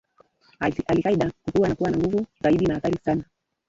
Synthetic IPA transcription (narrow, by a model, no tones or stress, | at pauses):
alikaiɗakukuwanakuwanaŋɡuvuzaiɗinahaθaɾisana